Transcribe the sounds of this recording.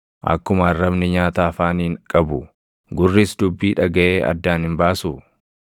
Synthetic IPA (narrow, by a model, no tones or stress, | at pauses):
ʔɐ̰kːʊmɐɐrːɐbnɪɲaːt̪aːfaːniːŋkʼɐbʊ | ɡʊrːisd̪ʊbːiːᶑɐɡɐʔeːʔɐ̰d̪ːaːnhɪmbaːsuː